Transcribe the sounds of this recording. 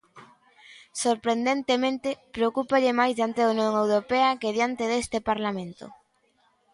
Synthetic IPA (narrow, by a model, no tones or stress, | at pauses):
soɾpɾend̪ent̪emẽnt̪epɾeokupaʎemajzðjant̪eðaunjoŋewɾopeɐkeðjant̪eðest̪epaɾlamẽnt̪o̰